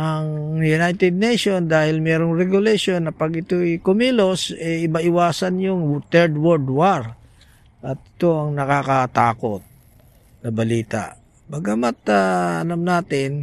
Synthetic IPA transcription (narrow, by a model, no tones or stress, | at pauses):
ʔɐŋjʊnajt̪ɛd̪̚nɛjʃo̞nd̪aːhɪlmɛːɾoŋɾɛɡʊlɛʃonːɐpɐɡɪt̪oɛkʊmiːlosɛjɪbaʔɪwaːsɐnjʊŋt̪ɛɹd̪woɾd̪waɹ | ʔɐt̪̚ʔɪt̪o̞ɐŋnɐkakɐt̪aːkot̪̚ | nɐbɐliːt̪a̰ʔ | bɐɡɐmat̪aɐ̰lamnaːt̪ɪn